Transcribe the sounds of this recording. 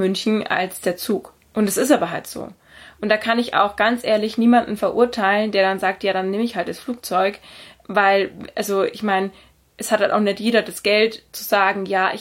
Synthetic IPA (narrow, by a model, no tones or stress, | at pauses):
mʏnçn̩ʔa̰lsd̥eːɐt͡suːk | ʔʊntd̥asɪstʔaːbɐɦaltz̥o̰ː | ʔʊntd̥aːkʰanɪça̰ʊxɡ̥ant͡sʔeːɐlɪçniːmandn̩fɛɐʔʊɐtʰaɪləndeːɐɾanzaːk̚tjaːɾanːeːməɪçhalt̚d̥asfluːk̚t͡sɔʏkvaɪlʔalzoʔɪçmaɪn | ʔɛshat̚hanʔa̰ʊxnɛçtjeːɾɐdasɡ̥ɛltt͡suzaːɡŋ̩jaːʔɪ̰